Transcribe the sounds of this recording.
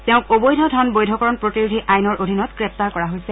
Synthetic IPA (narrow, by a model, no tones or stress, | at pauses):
tɛʊ̃kobojdʱɔdʱɔnbojdʱɔkɔɹɔnpɹotiɹudʱiʔajnɔɹʔodʱinɔtɡ̥ɹɛp̚taɹkɔɹaɦojsɛ